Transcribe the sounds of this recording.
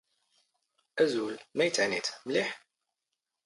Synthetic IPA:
æzulmæjət͡sːəʕnit̪mliħ

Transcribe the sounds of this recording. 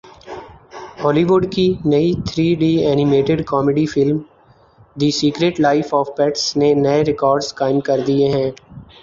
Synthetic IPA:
ɔːliʋʊɖkinɐit̪ʰɾiːɖiːɛːnɪmeːʈɪɖkɔːmeɖifɪlm | d̪isiːkɾeːʈlaːɪfɔːfpɛʈsnenɐeɾɪkɔːɾɖzkaːɪmkɐɾd̪ieɦɛ̃ː

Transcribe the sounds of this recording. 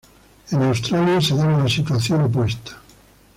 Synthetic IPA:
enawst̪ɾaljaseðanunasit̪uaθjonop̬west̪ʰḁ

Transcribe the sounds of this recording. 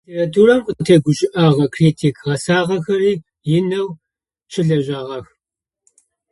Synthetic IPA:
tʰeratʰuːɾɐmqʷətʰeːɡʷʊʃʼɪʔaːʁɐkʰriːtʰikʰʁɐsaːʁɐxɐriː | jɪnɐw | t͡ʃʰɪɮɐʒaːʁɐx

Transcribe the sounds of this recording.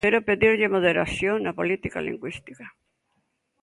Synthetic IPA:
eɾopeðiɾʎemoðeɾaθjoŋnapolit̪ika̰lḭŋɡwist̪i̥ka

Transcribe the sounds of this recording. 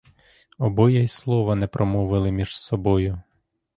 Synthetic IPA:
ɔbɔjɛslˠɔʋɐnɛpɾʔɔmɔʋɪlˠɪmʲiʒ̥sɔbɔjʊ

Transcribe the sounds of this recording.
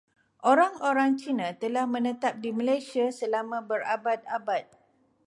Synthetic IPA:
ʔoɾaŋoɾaŋt͡ʃinãt̪əlahmə̃nə̃t̪ap̚diməlajsiasəlamãbəɾabat̪̚abat̪̚

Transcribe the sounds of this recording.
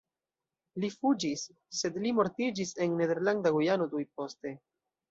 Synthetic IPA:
lifud͡ʒisː | e̞dlimo̞ɾtid͡ʒise̞nːe̞de̞ɾlandaɡujano̞dujpo̞ste̞

